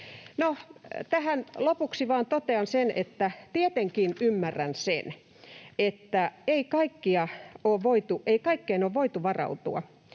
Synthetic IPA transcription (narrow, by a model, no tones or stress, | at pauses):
not̪æhænlopuksiʋɑːnt̪ot̪eɑnsenḛt̪ːæt̪iet̪eŋkinymːærːænsḛn | et̪ːæeikɑikːiɑoːʋʋoit̪uʔeikɑikːeinoːʋʋoit̪uʋɑrɑ̰ut̪ṵɑ̰